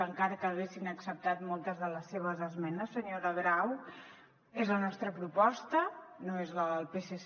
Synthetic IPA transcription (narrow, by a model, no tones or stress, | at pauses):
əŋkaɾəkəːɣesinəksəp̚t̪at̪mɔlˠt̪əzðələsːeβ̞əzəzmɛnəsːəɲoɾəɣɾaw | ezlənɔst̪ɾəpɾupɔst̪ənoezləlˠpeses